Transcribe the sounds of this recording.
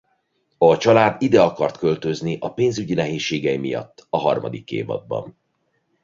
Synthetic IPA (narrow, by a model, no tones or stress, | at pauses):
ɒt͡ʃɒlaːd̪id̪ɛɒkɒrt̪kø̞lt̪ø̞zniʔɒpeːnzyɟinɛɦeːʃːeːɡɛjimijɒ̰t̪ːɒɦɒrmɒ̰d̪ikːḛːvɒ̰d̪̚bɒ̰n